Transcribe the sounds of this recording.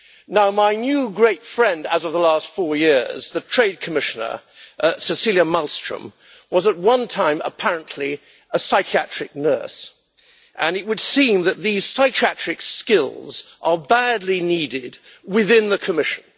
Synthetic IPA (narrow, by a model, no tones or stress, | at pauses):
naʊmaɪnjʉɡɹeɪtfɹɛ̃ndəzʌvðəlæstfɔɹjɪɹz̥ðɨtʰɹ̥eɪd̚kʰəmɪʃɨnə̰˞sɨsilˠjəmʌlˠstɹ̥ə̰̃m | wʌzət̚wʌ̃ntʰãɪ̃mə̰pʰæɹɨ̃nʔli | əsaɪkʰiæt͡ʃɹ̥ɨk̚nɜ˞s | ʔɨ̃nɨt̚wɨd̥sĩmðɨt̪̚ðiz̥saɪkʰiæt͡ʃɹ̥ɨkskɪlˠzʔə˞bædˡliniɾɪd̚ | wɪðɪ̃nðɨkʰəmɪʃɨ̃n̩